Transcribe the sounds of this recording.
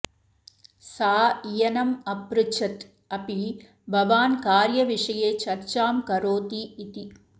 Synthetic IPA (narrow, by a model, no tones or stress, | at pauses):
saːijɐnɐmɐpɾut͡ʃʰɐt̪ | ɐpi | bʱɐʋaːnkaːɾjɐʋiʂɐjeːt͡ʃɐɾt͡ʃaːmkɐɾoːt̪iːt̪i